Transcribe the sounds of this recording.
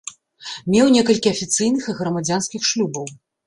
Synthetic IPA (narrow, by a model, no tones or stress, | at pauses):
mʲɛwnʲɛkɐlʲkʲiɐfʲit̪sɨjnɨxiɣɾɐmad͡zʲanskʲixʂlʲubɐw